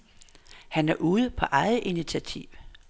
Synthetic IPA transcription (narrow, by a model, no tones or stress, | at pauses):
hænæɐʔuːð̞̩ˠpʰɒ̽ʔɑ̈ɪð̩ˠʔinit͡sʰiæt͡sʰiʊ̰